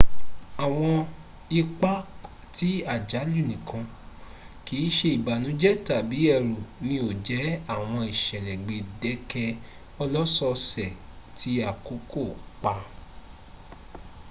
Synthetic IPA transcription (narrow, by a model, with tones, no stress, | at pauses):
a˨w̃ɔ̃˧ | i˧k͡pa˦ | ti˨˦a˦˨d͡ʒa˨˦lu˦˨nĩ˨kʰã˧ | ki˨˦ʃe˧˦i˨ba˨nũ˨˦d͡ʒɛ˦ta˨bi˨˦ɛ˧˨ɾu˨nĩ˦o˦˨d͡ʒɛ˨˦a˦˨w̃ɔ̃˧i˨ʃɛ˨lɛ̃˨ɡ͡be˧dɛ˨˦kɛ˧ | ɔ˧lɔ˦sɔ˧sɛ˨ | tʰi˨˦a˦˨ko˨˦ko˦˨k͡pa˧